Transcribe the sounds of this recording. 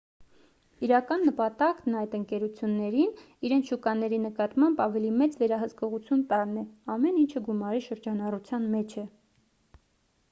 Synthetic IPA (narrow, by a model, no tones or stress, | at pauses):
iɾɑkɑnːəpɑt̪ɑknɑjt̪əŋkɛɾut͡sʰjunːɛɾin | iɾɛnt͡sʰʃukɑnɛɾinəkɑt̪mɑmbɑvɛlimɛt͡svɛɾɑɦəskɔʁut͡sʰjunt̪ɑɾnɛɑmɛnint͡ʃʰəɡumɑɾiʃəɾd͡ʒɑnɑrut͡sʰjɑnmɛt͡ʃʰɛ